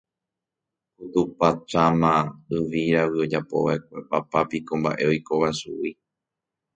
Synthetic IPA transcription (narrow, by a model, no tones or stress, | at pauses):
kut̪upat͡ʃamãɨʋiɾaʋɨo̞d͡ʒapo̞̰ʋaek̚ʷepapapikõ̞mba̰ʔe̞o̞jko̞βasṵi